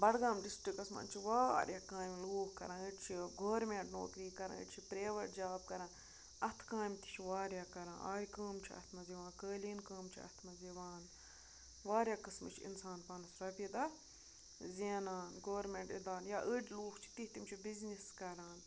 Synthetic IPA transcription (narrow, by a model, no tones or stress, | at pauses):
bɐɽɡaːmɖisʈɾikɐsma̰ːnt͡ʃʰiʋaːɾʲjakaːmluːkkɐ̰ɾãːnəʈt͡ʃʰiɡoːɾmeɳʈno̰ːkɾiːkɐɾã̰ːə̰ʈt͡ʃʰipɾeːʋɐʈ̚d͡ʒaːb̚kɐɾãːn | ɐt̪ʰkãːmt̪i̥t͡ʃʰiʋaːɾjakɐɾã̰ːʔa̰ːjikəːmt͡ʃʰiɐ̰t̪ʰmɐziʋãːnkəːliːnkəːmt͡ʃʰiɐ̰t̪ʰmɐziʋaːn | ʋaːɾʲjakɐsmɐt͡ʃʰiḭnsaːnpɐnɐsɾɐpid̪ɐ | ziːnaːnɡoːɾmeɳʈid̪aːnjaːʔəɖʲluːkt͡ʃʰi̥t̪iht̪imt͡ʃʰibizniskɐɾaːn